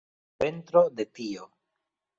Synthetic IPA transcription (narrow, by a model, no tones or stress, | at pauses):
pe̞ntɾode̞pio